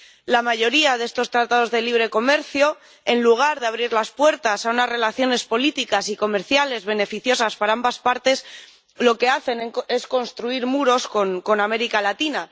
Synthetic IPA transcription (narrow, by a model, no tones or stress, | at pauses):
lamaʝo̞ɾiaðe̞st̪o̞st̪ɾat̪að̞o̞zðe̞liβ̞ɾe̞ko̞me̞ɾθjo̞ | e̞nluɣ̞aɾðeaβɾiɾlaspwe̞ɾt̪asaunazre̞laθjo̞ne̞spo̞lit̪ikasiko̞me̞ɾθjale̞zβe̞ne̞fiθjo̞saspaɾaambaspaɾt̪e̞s | lo̞ke̞aθe̞ne̞sko̞nst̪ɾuiɾmuɾo̞sko̞ŋko̞name̞ɾikalat̪ina